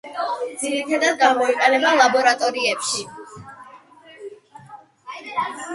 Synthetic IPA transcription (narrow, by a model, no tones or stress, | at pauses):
d̪ziɾit̪ʰad̪ad̪̚ɡamɔiqʼɛnɛbalˠabɔɾat̪ʼɔɾiɛpʃi